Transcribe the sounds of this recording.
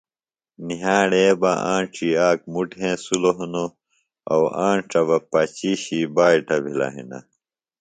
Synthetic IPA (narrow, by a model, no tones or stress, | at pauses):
niɦaːɽeːba̰ʔãːɳʈ͡ʂiaːk̚muʈɦẽːsuloɦuno | ɐwaːɳʈ͡ʂɐβɐpɐt͡ɕiːɕibaːiʈɐbʱila̰ɦḭnɐ̰